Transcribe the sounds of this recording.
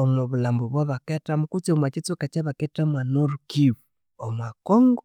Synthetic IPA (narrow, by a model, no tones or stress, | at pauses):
omoβulambuβwaβaketamukut͡smat͡ʃit͡sukat͡ʃaβakɛtamanoɾukiβu | omakɔŋɡɔ